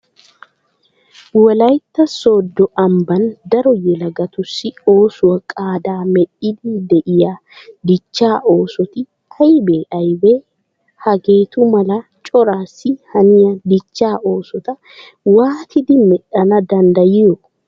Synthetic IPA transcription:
wɔlɐjt̪ːɐso̞ːd̪ːɔʔɐmbɐnd̪ɐɾɔjɛlɐɡɐt̪ʊsːɪo̞ːsʊwɐkʼaːd̪aːmɛɗɪd̪ɪd̪ɛʔɪjaː | d̪ɪt͡ʃːaːʔo̞ːsɔt̪ɪ | ɐjbeːʔɐjbe | hɐɡe̞ːt̪ʊmɐlɐt͡ʃʼɔɾaːsːɪhɐnɪjɐd̪ɪt͡ʃːaːʔo̞ːsɔt̪ɐ | waːt̪ʰɪd̪ɪmɛᶑɐnɐd̪ɐnd̪ɐjɪjɔ

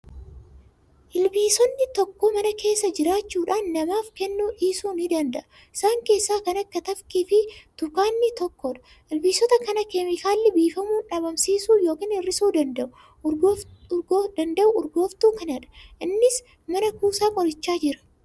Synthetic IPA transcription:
ʔɪlbiːsɔnːɪt̪ɔkːomɐnɐkʰe̞ːsːɐd͡ʒɪɾaːt͡ʃːuːᶑaːnːɐmaːfkɛnːuːʔiːsuːnɪd̪ɐnd̪ɐʔɐ | ɪsaːŋke̞ːsːaːkɐnɐkːɐt̪ɐfkifɪt̪ʊkaːnːɪt̪ɔkːɔᶑɐ̥ | ʔɪlbiːsɔt̪ɐkɐnɐkɛmɪkaːlːɪbiːfɐmuːnᶑɐbɐmsiːsuːjo̞ːkiːnɪrːɪsuːd̪ɐnd̪ɐʔʊ | ɡɡd̪ɐnd̪ɐʔʊʊɾɡo̞ːft̪uːkɐnɐᶑɐ̥ʔɪnːɪs | mɐnɐkuːsaːkʼɔɾɪt͡ʃːaːd͡ʒɪɾɐ̥

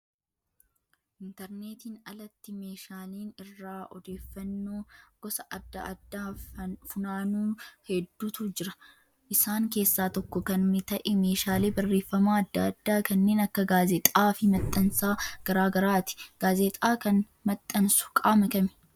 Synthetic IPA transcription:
ʔɪnt̪ɛɾneːt̪iːnɐlɐt̪ːɪmeːʃaːliːnɪrːaːʔɔd̪eːfːɐnːo̞ːɡ̥ɔsɐʔɐd̪ːɐʔɐd̪ːaːfʊnaːnuːhɛd̪ːuːt̪ʰuːd͡ʒɪɾɐ̥ | ʔɪsaːŋke̞ːsːaːt̪ɔkːɔkɐnmɪt̪ɐʔɛme̞ːʃaːleːbɐrːeːfːɐmaːɐd̪ːɐːd̪ːaːkɐnːe̞ːnɐkːɐɡaːzɛt̪ʼaːfɪmɐt̪ʼːɐnsaːɡ̥ɐɾaːɡɐɾaːt̪ɪ̥ɡ̥aːzet̪ʼaːkɐn | mɐt̪ʼːɐnsʊ̥kʼaːmɐkɐmɛ̥

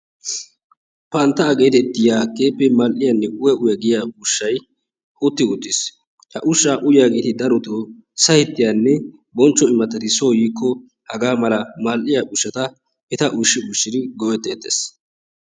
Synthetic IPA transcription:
pɐnt̪ːɐːɡe̞ːt̪ɛt̪ːɪjaːke̞ːpːɛmalʔɪjɐnːɛʔʊjɐʔʊjɐɡɪjaʊʃːɐj | ʔʊt̪ːɪʊt̪ʼːɪs | hɐʔʊʃːaːʔʊjaːɡeːt̪ɪd̪ɐɾɔt̪oː | sɐhɪt̪ːɪjanːɛ | bɔnt͡ʃːɔɪmːɐt̪ːɐt̪ɪsoːjiːkːɔ | hɐɡaːmɐlɐmalʔɪjaʔʊʃːɐt̪ɐ | ɛt̪ɐʔʊʃːɪʊʃːɪd̪ɪɡɔʔɛt̪ːeːt̪ːḛːs

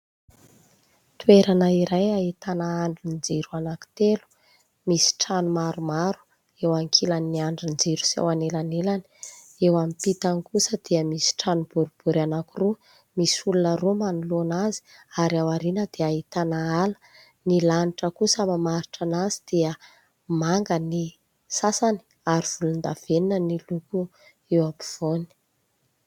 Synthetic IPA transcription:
t̪ueɾanaiɾajait̪anaaɳɖ͡ʐinid͡zeɾuanaki̥t̪elu̥ | misi̥ʈ͡ʂanumaɾumaɾu̥ | ewaŋkʰilanːiaɳɖ͡ʐind͡zeɾu̥sḛwanelanelani̥ | ewamipit̪anikusəd̪̥eəmisi̥ʈ͡ʂanub̥uɾib̥uɾanakuru | misulunəɾomanulonazi̥aɾiawaɾinəd̪eait̪anaalə̥ | nilaniʈ͡ʂəkusamamaɾiʈ͡ʂanazid̪̥eə | maŋɡəni | sasani̥ | aɾiv̥ulund̪av̥eninəniluku | ewapi̥v̥oni̥

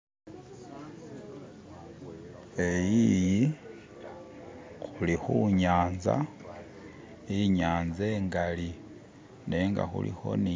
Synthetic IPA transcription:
e̞jiji | xulixuɲaːnza̰ | iɲaːnzeːŋɡali | ne̞ːŋɡa̰xṵlḭxo̞̰ni

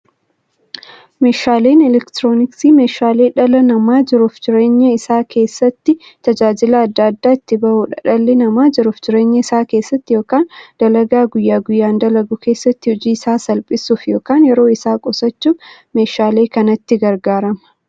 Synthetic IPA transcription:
me̞ːʃaːle̞ːnɛlɛkt̪ɾoːnɪksiːme̞ːʃaːleːᶑɐlɐnɐmaːd͡ʒɪɾʊfd͡ʒɪɾe̞ːɲːɐɪsaːkʰe̞ːsːɐt̪ːɪt̪ɐd͡ʒaːd͡ʒɪlɐːd̪ːad̪ːaːɪt̪ːɪbɐhuᶑɐᶑɐlːɪnɐmaːd͡ʒɪɾʊfd͡ʒɪɾe̞ːɲːɐɪsaːke̞ːsːɐt̪ːɪjo̞ːkaːnd̪̥ɐlɐɡaːɡʊjːaːɡʊjːaːnd̪ɐlɐɡʊke̞ːsːɐt̪ːɪhʊd͡ʒiːɪsaːsɐlpʼɪsuːfjo̞ːkaːnjɛɾo̞ːɪsaːkʼɔsɐt͡ʃːuːf | me̞ːʃaːleːkɐnɐt̪ːɪɡɐɾɡaːɾɐmɐ̥

